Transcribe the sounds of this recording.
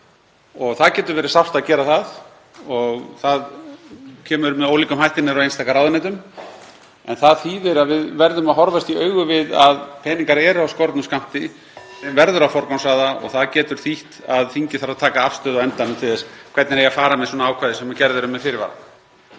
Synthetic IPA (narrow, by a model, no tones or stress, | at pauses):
ɔɣθaðcɛːt̪ʏɾvɛːɾɪsawfst̪aðcɛːɾaθað | ɔɣθað | cʰɛːmʏɾmɛðoːwliːkʏmhajht̪ɪnːɪɾɔejnst̪ʰaːkaɾawðɪnɛjt̪ʏm | ɛnθaðθiːvɪɾaðvɪðvɛɾðʏmaðɦɔɾvast̪iœːɥɣʏvɪðaðpʰɛːniŋkaɾɛːɾawskɔɾt̪nʏmskam̥t̪ɪ | vɛɾðʏɾawfɔɾkɔwnsaːðaɔ̰ɣθaðcɛːt̪ʏɾ̥θiht̪aðθiɲcɪ̥θaɾaðt̪ʰaːkaafst̪œːðaɛnt̪anʏmt̪ʰɪðɛskʰvɛɾt̪nɪɾejafaːɾamɛðsɔːnaaːwkʰvaːðɪsɛmːacɛɾðʏɾʏmːɛðfɪɾɪɾva̰ɾa̰